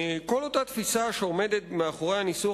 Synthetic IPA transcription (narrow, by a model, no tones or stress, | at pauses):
ko̞lo̞tat̪fisaʃeo̞me̞d̪et̪meaχoʁe̞jhanisu